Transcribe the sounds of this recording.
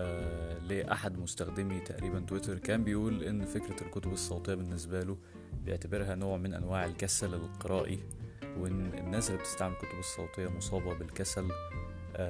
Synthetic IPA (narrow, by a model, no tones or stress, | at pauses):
leːʔa̰ħad̪most̪æxd̪emit̪æ̰ʔɾiːbænt̪wet̪eɾˤkæːmbejʔuːlʔenːfekɾælkot̪obesˤːɑwt̪ˤejːɑbenːes̬bælo | bejeʕt̪æbeɾɦænoːʕmenʔæ̰nwaːʕelkæsælelqeɾˤɑːʔi | wenːḛnːæːslːeb̚t̪e̥st̪aʕmelkot̪obesˤːɑwt̪ˤejːɑmosˤɑːbɑbelkæsæl